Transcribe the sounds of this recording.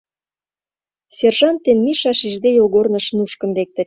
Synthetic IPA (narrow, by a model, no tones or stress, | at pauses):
serʒɑnt̪ːenmiʃɑʃiʒd̪ejoɣornə̆ʃnuʃkə̆mlek̚t̪ə̆